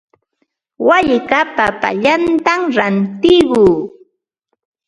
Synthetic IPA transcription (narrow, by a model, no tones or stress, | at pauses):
waʎkapapa̰ʎant̪amɾant̪ɪɢuː